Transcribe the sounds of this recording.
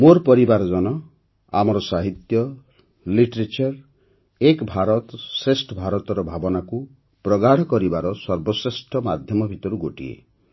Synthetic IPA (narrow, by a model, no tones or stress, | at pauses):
moɾpɔɾibaɾɔd͡ʒɔnɔ | a̰mɔɾɔsaɦit̪jɔ | liʈɾet͡ʃaɾ | ekbʱaɾɔt̪sɾesʈʰɔbʱaɾɔt̪ɔɾɔbʱabɔnaku | pɾɔɡaɽ̤ɔkɔɾibaɾɔsɔɾbɔsɾesʈʰɔmad̪ʱjɔmɔbʱit̪ɔɾuɡoʈḭḛ